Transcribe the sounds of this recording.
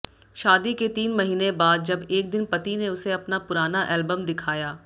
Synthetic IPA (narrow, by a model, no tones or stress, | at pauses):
ʃaːd̪iket̪iːnmɐɦiːnẽbaːd̪̚d͡ʒɐbeːk̚d̪ɪnpɐt̪ineʊseɐpnapʊɾaːnaʔɛːlbəmd̪ɪkʰaːjaː